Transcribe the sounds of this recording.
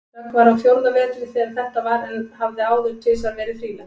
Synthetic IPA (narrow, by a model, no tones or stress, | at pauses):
akvaɾawfjowɾt̪namɛːt̪lɪθɛðaɾθɛht̪avaɾɛnhavðɪaːwðʏɾt̪ʰɪlsaɾvɛːɾɪðfɾiːla